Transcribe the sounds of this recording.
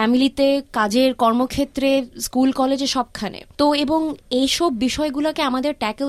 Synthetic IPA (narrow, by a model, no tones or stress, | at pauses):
ɛmilit̪ekad͡ʑeɾkɔɾmokʰet̪ːɾeskulkɔled͡ʑeʃɔb̚kʰanḛt̪oeboŋejʃɔbːiʃɔeɡulakeamad̪eɾʈɛke